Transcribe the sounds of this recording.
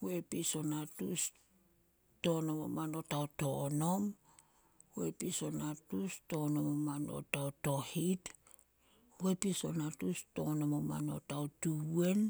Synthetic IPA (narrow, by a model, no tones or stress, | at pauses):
we̞piso̞natṵs | to̞nomomano̞taoto̞no̞m | we̞piso̞natusto̞no̞momano̞̰tawto̞hit | we̞piso̞natusto̞no̞moma̰no̞̰tawtue̞n